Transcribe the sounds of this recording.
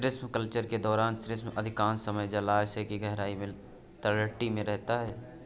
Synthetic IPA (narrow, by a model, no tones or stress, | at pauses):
sɾɪsmkəlt͡ʃəɾked̪ɔːɾaːnsɾɪsməd̪ʱɪkãːnsəməjd͡ʒəlaːsekiɡɛɦɾaːimɪ̃l | t̪əɾləʈːimẽɾɛɦt̪aɦɛː